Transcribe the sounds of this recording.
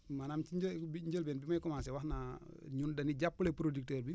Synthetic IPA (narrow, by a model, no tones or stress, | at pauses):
manamt͡ʃid͡ʒbiɲɟəlbɛnbimajkɔmasɛwaxnaɲundɐniɟapːulepuɾodik̚tɛɾbi